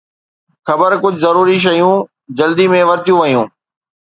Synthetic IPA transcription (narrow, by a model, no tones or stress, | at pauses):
xɐbəɾkʊd͡ʑʱzɐɾuːɾiʃ̬ɐjũː | d͡ʑɐld̪imẽʋɐɾt̪jũʋɐijũː